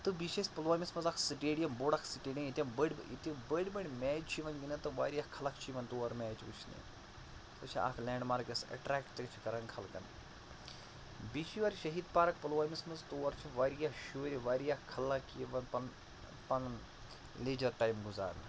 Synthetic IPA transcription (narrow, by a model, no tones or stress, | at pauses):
t̪ɨbiʃespɐlʋaːmismɐnzakʰsɨʈeːɽijɐmboɽɐkʰsɨʈeːɖʲijɐ̃mit̪ʲjɐmbəɽʲḭt̪ɐbəɽʲbɐɽʲmɛːd͡ʒt͡ʃʰiʋɐnɡinɐt̪ɨʋaːɾijakʰɐlɐkʰt͡ʃʰiʋɐnt̪oːɐɾmʲɛːt͡ʃʋṵt͡ʃʰnḭ | t̪ɐt͡ʃʰḭʔa̰kʰlʲɛːɳɖmaɾkɐsɐ̰ʈɾaːkʈtɐɾʲit͡ʃʰi̥kɐɾɐnkʰɐlkɐ̰n | biʃʰijʋɐɾʲʃɐɦiːd̪paːɾɐk̚pɐlʋaːmismɐzt̪oːɐɾt͡ʃʰiʋaːɾijahʃuːɾʲiʋaːɾijakʰːɐlɐkʋɐnpɐn | pɐn | leːd͡ʒɐɾʈaːjmɡuza̰ːn